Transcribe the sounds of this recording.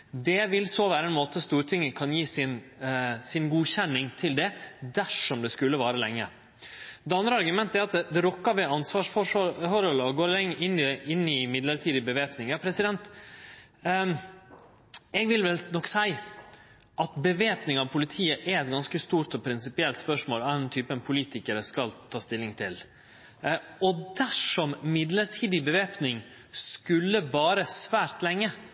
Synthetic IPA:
d̪ɛʋɪlsoʋæːɾəɛnmoːt̪əst̪uːɾt̪ʰɪŋːəkʰɑnjiːsɪnsɪnɡuːçɛnːɪŋt̪ʰɪld̪ɛd̪æʂɔmd̪ɛskʉlːəʋɑːɾəlɛŋːə̰ | d̪ɛɑnd̪ɾəɑɾɡʉmɛnt̪əæɾɑt̪ɛd̪ɛɾɔkːɑʋɛɑnsʋɑːʂfɔʂfɔɾhɔlɔɡoːɾlɛŋːʔɪnːɪɪnːɪmɪd̪ləɾt̪ʰiːd̪ɪbəʋeːpnɪŋjɑːpʰɾɛsɪd̪ɛnt̪ | ɛɡʋɪlʋɛlnɔksæɪ | ʔɑt̪bəʋeːpnɪŋɑʋpʰʊlɪt̪ʰiːəʔɛɛt̪ɡɑnskəst̪uːɾt̪ɔpʰɾɪnsɪpɪɛlt̪spœʂmoːlɑɛnt̪ʰyːpəɛnpʰʊliːt̪ɪkəɾəskɑlt̪ʰɑːst̪ɪlːɪŋt̪ʰɪl | ɔd̪æʂɔmmɪd̪ləɾʈʰiːd̪ɪbəʋeːpnɪŋ | skʉlːəʋɑːɾəsʋæːɾt̪lɛŋːə

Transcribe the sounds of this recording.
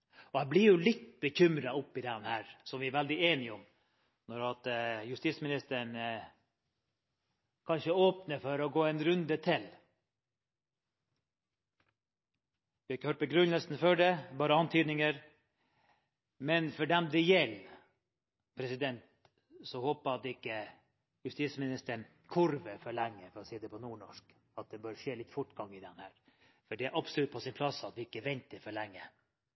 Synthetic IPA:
ɔhæblɪɾjʊlɪt̪ːbəçʏmɾɑʊpːɪd̪ɛnhæːɾsɔmʋɪæɾʋæld̪ɪeːnɪɔm | nɔɾɑt̪jʉst̪ismɪnɪst̪əɾəɳ | kʰɑnʃəoːpnəfɔɾɔɡoːɛnɾʉnd̪ət̪ʰɪl | ʋɪɑɪkːəhøːʈ̚pɔɡɾʉnəsn̩fɔɖɛbɑːɾəɑnt̪ʰyːd̪nɪŋəɾ | mɛnfɔɖɛmd̪ɛjɛlː | pʰɾɛsɪd̪ɛnt̪ | sɔhoːpəɑt̪ːɪkːə | jʉst̪iːsmɪnɪst̪əɳ | kʰʊɾʋəfɔɭæŋːəfɔɾɔsiːəd̪ɛpʰɔnuːɳɔ̰ʂk | ɑt̪̚d̪ɛbøːɾəʂeːlɪt̪fʊʈːɡɑŋːɪd̪ɛnhæːɾ | fɔɖɛæɾʔɑbsɔlʉt̪̚pʰɔsɪnpʰlɑsɑt̪ʋɪɪkːəʋɛnt̪əɾfɔɭɛŋːə

